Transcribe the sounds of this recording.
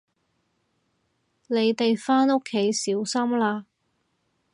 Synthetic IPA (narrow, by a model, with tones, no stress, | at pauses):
le˨˧jt̪e˨jfaː˥no˥kʰːe˨˥jsiː˨˥wsɐ˥mlaː˧